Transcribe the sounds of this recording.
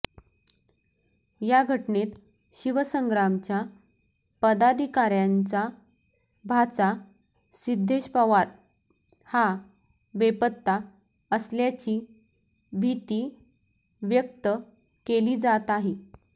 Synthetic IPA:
jaɡʱəʈnet̪ | ɕiʋəsəŋɡɾamt͡ɕja | pəd̪ad̪ʱikaɾjant͡sa | bʱat͡sa | sid̪ʱːeɕpəʋaɾ | ha | ʋepət̪ːa | əsljat͡ɕiː | bʱit̪iː | ʋjəkt̪ə | keliːd͡zat̪aɦe

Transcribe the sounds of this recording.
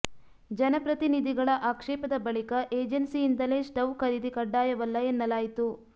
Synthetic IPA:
d͡ʒɐnɐpɾɐt̪inid̪ʱiɡɐɭɐʔaːkʂɛːpɐd̪ɐbɐɭikɐʔeːd͡ʒensijːnd̪ɐleːsʈɐʋkɐɾid̪ikɐɖːaːjɐʋɐlːɐenːɐlaːjit̪u

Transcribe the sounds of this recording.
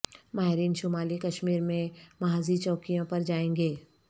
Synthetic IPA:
maːɦɾiːnʃʊmaːlikɐʃmiːɾmẽmaaːzit͡ʃɔːkijõpɐɾd͡ʒaːẽːŋɡeː

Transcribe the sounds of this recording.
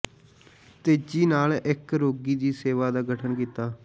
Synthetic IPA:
t̪eːd͡ʒiːnaːlɪkɾoːɡiːd̪iːseːʋaːd̪aːɡəʈʰənkiːt̪aː

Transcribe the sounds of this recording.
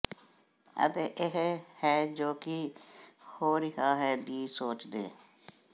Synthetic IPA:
ə̰t̪eːʔɪɦhɛːd͡ʒoːkɪ | hoːɾɪɦaːɦɛːliːsoːt͡ʃd̪ḛː

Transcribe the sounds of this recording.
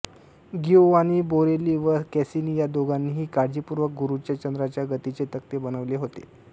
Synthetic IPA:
ɡiwañiːboɾeliːʋəɾkɛsiniːjad̪oɡanːiːɦiːkaɾd͡ʑipuɾʋək̚ɡuɾut͡ɕjat͡ɕənd̪ɾat͡ɕjaɡət̪it͡set̪əkt̪ebənəʋleɦot̪ḛ

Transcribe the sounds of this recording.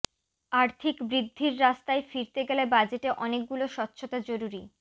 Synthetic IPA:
aɾt̪ʰikbɾid̪ʱːiɾːast̪aefiɾt̪eɡɛlebad͡ʑeʈeʔɔnek̚ɡuloʃɔtːɕʰot̪ad͡ʑoɾuɾi

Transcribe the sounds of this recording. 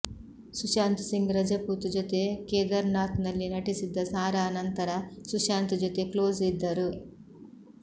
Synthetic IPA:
suʃaːnt̪u̥siŋɡɾɐd͡ʒɐpuːt̪ud͡ʒot̪ekeːd̪ɐɾnaːt̪nɐlːinɐʈisid̪ːɐsaːɾɐːnɐnt̪ɐɾɐsuʃaːnt̪ud͡ʒot̪eːkloːd͡ʒid̪ːɐɾu

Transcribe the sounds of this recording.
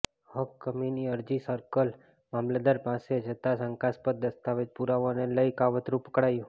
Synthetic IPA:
hɔkːəminiəɾd͡ʒisəɾkəl | mamlad̪aɾpãsed͡ʒʱət̪asəŋkaspət̪̚d̪əst̪aʋed͡ʒpuɾaʋoneləjkaʋət̪ɾupəkɽajũ

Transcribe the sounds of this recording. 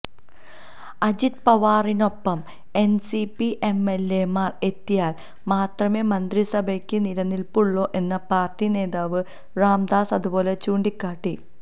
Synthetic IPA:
ɐd͡ʑit̪̚pɐʋaːrino̞pːɐm | e̞nsipiʔe̞mele̞maːre̞t̪ːijaːl | maːt̪rɐme̞ːmɐnd̪risɐbʱɐkʲːɨniɾɐnːilpuɭːo̞ːʔe̞nːɐpaːrtine̞ːðaːʋɨ | raːmd̪aːsɐðubo̞ːle̞t͡ɕuːɳɖikːaːʈːi

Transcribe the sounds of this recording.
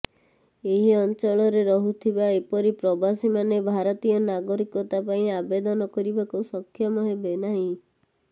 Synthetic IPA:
eɦiɔnt͡ʃɔɭɔɾeɾɔɦut̪ʰibaepɔɾipɾɔbasimanebʱaɾɔt̪ijɔnaɡɔɾikɔt̪apaĩabed̪ɔnɔkɔɾibakusɔkʰːjɔmɔɦebenaɦĩ

